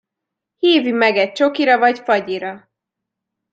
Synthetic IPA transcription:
hiːvimɛɡɛt̚t͡ʃo̞kiɾɒvɒɟfɒɟiɾɒ

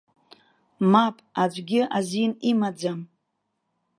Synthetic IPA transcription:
mapʼad͡ʒʷɡʲɪʔazinimad͡zam

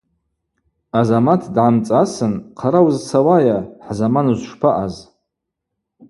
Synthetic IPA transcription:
azamatʰdʕamt͡sʼasɨnqʰaɾawzt͡sʰawajaħzamanuzʂpʰaʔaz

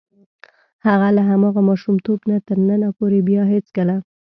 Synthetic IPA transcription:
haɣalaɦamɑɣamɑʃumt̪obnat̪əɾnənapoɾebjɑɦet͡skəla

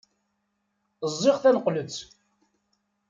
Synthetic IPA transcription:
zˤːɪʁθænəqːlət͡sː

